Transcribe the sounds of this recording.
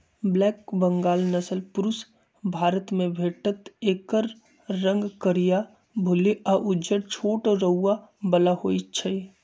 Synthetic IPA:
blɛːkbəŋɡaːlnəsəlpʊɾʊs | bʱaːɾət̪mẽbʱeːʈət̪eːkəɾː | ə̃ŋɡkəɾija | bʱʊliaʔʊd͡ʒəɾt͡ʃʰoːʈɾəuːabəlahoit͡ʃʰəi

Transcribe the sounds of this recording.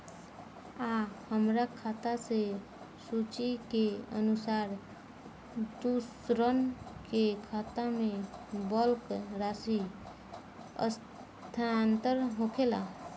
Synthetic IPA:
ahəmɾakʰat̪ase | sut͡ʃikeə̰nusaːɾ | d̪us | ɾənkekʰat̪amẽbəlkɾasi | ə̰s | t̪ʰant̪əɾɦokʰela̰

